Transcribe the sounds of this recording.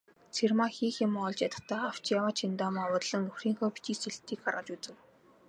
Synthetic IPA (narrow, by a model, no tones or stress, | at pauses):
t͡sʰermaxiːxɪmɔɮt͡ɕjat̪ə̆t̪aːaw̥t͡ɕjawaːt͡ɕʰint̪ɔːmawʊːt̪ɮə̆ŋnɵxriːŋxɔːpi̥t͡ɕiːseɬt̪ʰːiːkɢa̰ɾrʁə̆t͡ɕut͡sɘ̆w